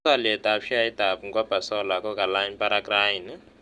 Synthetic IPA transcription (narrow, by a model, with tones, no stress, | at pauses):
a˦lɛ˨ta˦pʂi˦a˦ita˨pu˨ŋɡwa˦b̥ʱa˨sɔ˦la˨kɔ˦ka˨laiɲpa˦ɾakrain